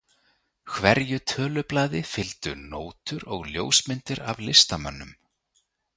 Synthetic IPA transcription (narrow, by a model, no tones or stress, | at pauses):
kʰvɛɾjʏt̪ʰœːlʏplaːðɪfɪlt̪ʏnoːwt̪ʏɾɔɣljoːwsmɪnt̪ɪɾavlɪst̪amœ̰nːʏm